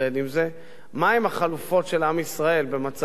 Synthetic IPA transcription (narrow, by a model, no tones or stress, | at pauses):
ed̪imze̞ | maemaχalufo̞tʃe̞lamisʁae̞lbe̞mat͡s